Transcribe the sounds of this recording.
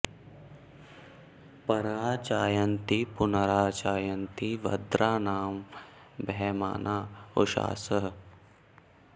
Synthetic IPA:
pɐɾaːt͡ʃaːjənt̪ipʊnəɾaːt͡ʃaːjənt̪iʋɐ̰d̪ɾaːnaːm | bʱɛma̰ːnʔaːo̰ʃa̰ːsəɦ

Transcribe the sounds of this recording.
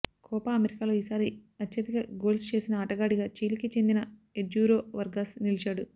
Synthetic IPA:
kʰɔːpɐɐmeɾikaːlo̞ːiːsaːɾiɐtːjɐd̪ikɐɡo̞ːlst͡ʃe̞ːsinɐaːʈɐɡaːɽiɡaːt͡ʃiːlkit͡ʃe̞nd̪inɐed͡ʒuːɾo̞ːʋɐɾɡaːsnilit͡ʃaːɽu

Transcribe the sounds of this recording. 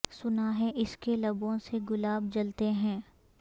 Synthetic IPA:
sʊnaɦɛ̃ʔɪskelɐbõseɡʊlaːb̚d͡ʒɐlt̪eɦɛ̃ː

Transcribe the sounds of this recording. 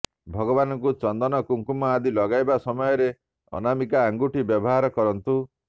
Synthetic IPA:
bʱɔɡɔbanɔŋkut͡ʃɔnd̪ɔnɔkuŋkumɔad̪ilɔɡajbasɔmɔjɔɾe | ɔ̰namikaːŋɡuʈibjɔbɔɦaɾɔkɔɾɔnt̪u

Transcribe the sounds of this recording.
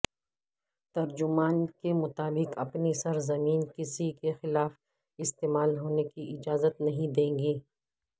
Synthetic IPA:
t̪ɐɾd͡ʒʊmaːnkemʊt̪aːbɪqɐ̰pnisɐɾzɐmiːnkɪsikexɪlaːf | ɪst̪eːmaːlɦoːnekiʔɪd͡ʒaːzət̪nɐɦĩd̪ẽːŋɡiː

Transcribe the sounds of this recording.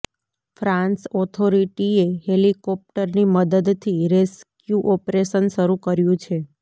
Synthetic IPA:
fɾãnsɔt̪ʰoɾiʈiehelikɔp̚ʈəɾniməd̪əd̪t̪ʰiɾeskjuʔɔpɾeʃənʃəɾukəɾjũt͡ʃʰe

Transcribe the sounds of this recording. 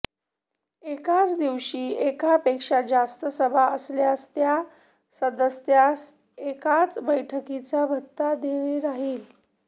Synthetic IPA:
ekat͡sd̪iʋɕiːekapekʂad͡zast̪əsəbʱaəsljast̪ja | səd̪əsjas | ekat͡sbəjʈʰəkit͡sabʱət̪ːad̪eɭeɾaɦiːl

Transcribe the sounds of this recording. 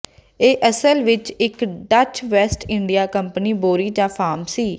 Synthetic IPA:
eːʔəsəlʋɪt͡ʃɪkɖət͡ʃʰʋɛːsʈɪ̃ɳɖijaːkəmpəniːboːɾiːd͡ʒãːpʰaːmsiː

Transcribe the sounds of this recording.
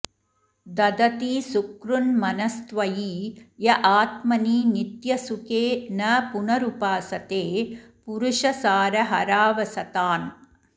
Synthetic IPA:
d̪ɐd̪ɐt̪iːsukɾunmɐnɐst̪ʋɐjiːjɐʔaːt̪mɐniːnit̪jɐsukeːnɐpunɐɾupaːsɐt̪eːpuɾuʂɐsaːɾɐɦɐɾaːʋɐsɐt̪aːn

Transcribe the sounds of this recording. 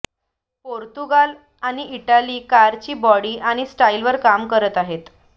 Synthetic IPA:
poɾt̪uɡal | aɽ̃iʔiʈaliːkaɾt͡ɕiːbɔɽiːʔaɽ̃isʈailʋəɾkamkəɾət̪aɦet̪

